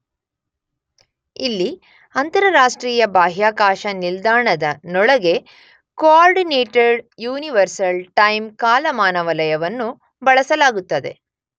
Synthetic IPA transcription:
ilːi | ɐnt̪ɐɾɐɾaːʂʈɾiːjɐbaːɦjaːkaːʃɐnild̪aːɳɐd̪ɐnɔɭɐɡe̞ | koaːɾɖineːʈeɖjuːniʋɐɾsɐlʈɐjmkaːlɐmaːnɐʋɐlɐjɐʋɐnːu | bɐɭɐsɐlaːɡut̪ːɐd̪e̞̰

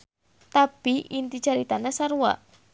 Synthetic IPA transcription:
t̪apiʔint̪it͡ʃaɾit̪anɛsaɾuwa̰ʔ

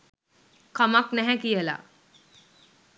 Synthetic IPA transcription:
kəmaknɛɦɛ̃kijəla̰ː

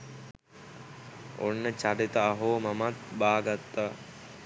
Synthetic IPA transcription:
o̰nːət͡ʃaɾit̪əːɦoːmamat̪baːɡat̪ːa

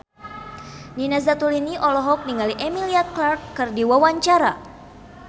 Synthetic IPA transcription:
ninazat̪uliniʔɔlɔɦɔk̚niŋaliʔɛmiliat̪̚klarkːɨrdiwawaɲt͡ʃaɾa̰

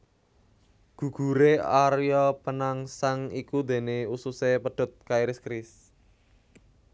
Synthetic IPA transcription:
ɡ̥ṳɡ̥ṳɾeaɾjɔpənaŋsaŋikud̪e̤neususepəɖ̥ɔ̤t̪̚kaiɾɪskɾɪs

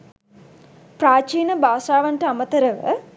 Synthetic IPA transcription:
pɾaːt͡ʃiːnɐbaːsaːʋaɳʈɐamɐt̪ɐɾɐʋə̰

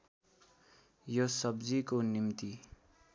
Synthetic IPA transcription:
josʌbd͡zikonimt̪i

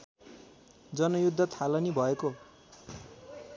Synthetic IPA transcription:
d͡zʌnʌjud̪ʱːʌt̪ʰalʌnibʱʌeko

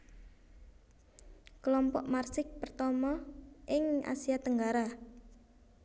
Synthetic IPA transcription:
klɔmpɔ̰ʔmarsɪk̚pərt̪ɔmɔʔɪŋa̰siat̪əŋɡaɾa

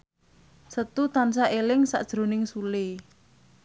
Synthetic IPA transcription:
sət̪ut̪ansaʔelɪŋsa̰ʔd̥ʒ̥ɾo̤nɪŋsule

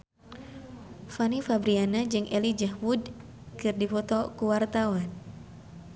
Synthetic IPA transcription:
fanifabɾianad͡ʒɨŋʔɛlid͡ʒahwud | kɨrdifɔt̪ɔkuwart̪awan

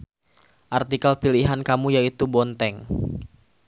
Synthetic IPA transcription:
ʔart̪ikalpiliɦankamujait̪ubɔnt̪ɛŋ

